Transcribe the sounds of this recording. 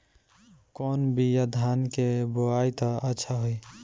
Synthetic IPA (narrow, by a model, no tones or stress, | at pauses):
kɔːnbijad̪ʱaːnkeboajt̪aətːʃʰaɦoi